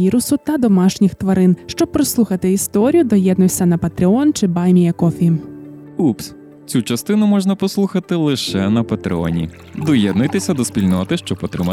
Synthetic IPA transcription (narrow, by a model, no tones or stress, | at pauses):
iɾʊsʊt̪ɐd̪ɔmɑʃnʲɪxt̪ʋɐɾɪnʃt͡ʃɔb̚pːɾɔslˠuxɐt̪ɪist̪ɔɾʲijʊd̪ɔjɛd̪nʊjʲsʲɐnɐpɐt̪ɾɪɔnt͡ʃɪbɑjmʲijɐkɔfʲi | ups | t͡sʲut͡ʃɐst̪ɪnʊmɔʒnɐpɔslˠuxɐt̪ɪlˠɪʃɛnɐpɐt̪ɾɪ̰ɔ̰nʲḭ | d̪ɔjɛd̪nʊjt̪ɪsʲɐd̪ɔspʲilʲnɔt̪ɪʃt͡ʃɔpɔt̪ɾɪ̰mɐ